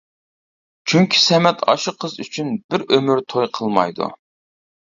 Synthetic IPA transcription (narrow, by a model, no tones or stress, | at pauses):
t͡ʃʰyŋkʲʰi̥sɛmɛt̪ʰɑ̰ʃɨqʰːəzyt͡ʃʰynbɪɾømyɾt̪ʰojqʰəlˠmɑ̰jd̪ṵ